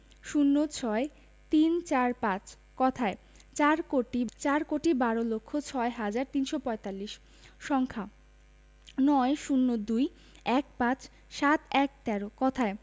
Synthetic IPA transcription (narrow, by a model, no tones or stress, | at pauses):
ʃunːot͡ɕʰɔe | t̪int͡ɕaɾpãt͡ɕ | kɔt̪ʰae | t͡ɕaɾkoʈit͡ɕaɾkoʈibaɾolokʰːot͡ɕʰɔeɦad͡ʑaɾt̪inʃopɔet̪alːiʃ | ʃɔŋkʰa | nɔeʃunːod̪uj | ɛk̚pãt͡ɕ | ʃat̪ɛk̚t̪ɛɾokɔt̪ʰae